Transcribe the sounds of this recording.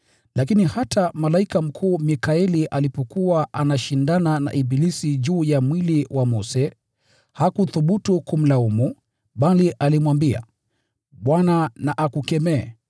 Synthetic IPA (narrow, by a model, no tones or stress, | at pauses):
lakinihatʰamalaikam̩kʰuːmikaɛliʔalipɔkuwaʔanaʃindanana̰ʔibilisiʄuːjamwiliwamɔsɛ | hakuθuɓutukum̩laumu | ɓaliʔalimwambia̰ | ɓwananaʔakukɛmɛɛ̰